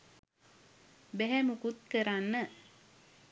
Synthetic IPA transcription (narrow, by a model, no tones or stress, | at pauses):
beɦɛmukut̪̚kəɾanːə